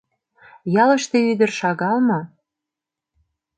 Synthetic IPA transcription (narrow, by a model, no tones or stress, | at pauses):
jɑlə̆ʃt̪ĕyd̪ə̆rʃɑɣɑlmŏ